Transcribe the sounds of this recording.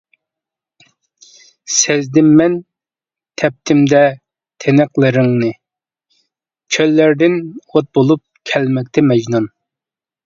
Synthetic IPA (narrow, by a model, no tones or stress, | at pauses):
sɛzd̪ɪmːɛn | t̪ʰɛp̚t̪ʰɪmd̪ɛ | t̪ʰenɨqlˠɨɾɪŋnɨ | t͡ʃʲʰølːæɾd̪ɪnot̪̚bolˠup̚kʲʰɛlmɛk̚ʲt̪ʰɛmɛd͡ʒnun